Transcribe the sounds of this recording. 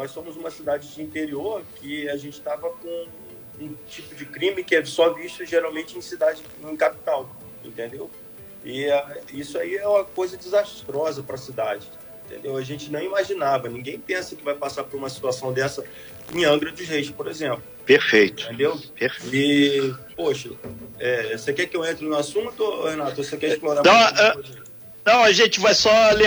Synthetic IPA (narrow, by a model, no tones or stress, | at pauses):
nɔjsõmʊzũmɐsid̪ad͡ʒɪd͡ʒɪĩnt̪eɾioɾkɪaʒẽnt͡ʃɪ̥t̪avɐkõ | ũt͡ʃipʊd͡ʒɪkɾĩmɪkɪɛsɔviʃt̪ʊʒeɾawmẽnt͡ʃɪẽj̃sid̪ad͡ʒɪ | ẽj̃kapi̥t̪aw | ẽnt̪ẽnd̪ew | ɪaisʊaiɛũmɐkojzɐd͡ʒɪzaʃt̪ɾɔzɐpɾɐsid̪ad͡ʒɪ | ẽnt̪ẽd̪ewɐʒẽnt͡ʃɪnɐ̃w̃imaʒinavɐnĩɡẽj̃pẽsɐkɪvajpasapoɾũmɐsi̥t̪uasɐ̃w̃d̪ɛsɐ | ẽɐ̃ɡɾɐd̪ʊzhejʃpoɾezẽmplʊpeɾfejt̪ʊt̪ẽnd̪ewpeɾfɪpoʃɐɛsekɛkɪewẽnt̪ɾɪnʊasũt̪ohenat̪ʊosekɛɪʃploɾanɐ̃ | nɐ̃w̃ɐʒẽnt͡ʃɪvajsɔlẽ